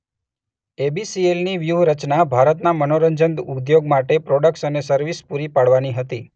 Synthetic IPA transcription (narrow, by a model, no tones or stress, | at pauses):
ebisielniʋjuɦɾət͡ʃnabʱaɾət̪namənoɾəɲd͡ʒənd̪ud̪joɡmaʈepɾoɖək̚ʈsənesəɾʋispuɾipaɽʋaniɦət̪i